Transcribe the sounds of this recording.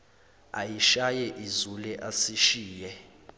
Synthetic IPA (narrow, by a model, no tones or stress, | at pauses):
ajiʃajɛʔizulɛʔasiʃiːjɛ